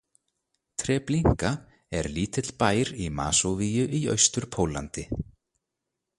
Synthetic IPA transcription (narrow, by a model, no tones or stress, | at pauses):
t̪ʰɾɛːpliŋ̥ka | ɛɾliːt̪ɪt̪lpaːjɾima̰ːsowviːjʏʔiœ̰ɥst̪ʏɾ̥pʰoːwlant̪ɪ